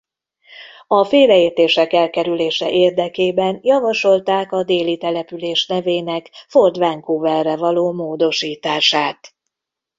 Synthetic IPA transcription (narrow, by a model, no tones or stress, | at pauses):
ɒfeːɾɛeːrt̪eːʃɛkɛlkɛɾyleːʃɛ̰ʔeːrd̪ɛkeːbɛnjɒvɒʃo̞lt̪aːkɒd̪eːlit̪ɛlɛpyleːʃnɛveːnɛkford̪ʋaŋkuːvɛrːɛvɒloːmoːd̪o̞ʃiːt̪aːʃaːt̪